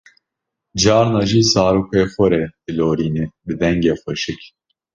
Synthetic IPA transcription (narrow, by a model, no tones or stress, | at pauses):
d͡ʒaːɾnaʒisaːɾukʰɛfoɾɛd̪ɨloːɾiːnibɨd̪ɛŋɡɛfɨʃɨkʲ